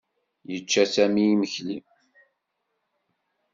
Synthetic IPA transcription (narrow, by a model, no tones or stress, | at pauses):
jət͡ʃːæsæmiiməçlim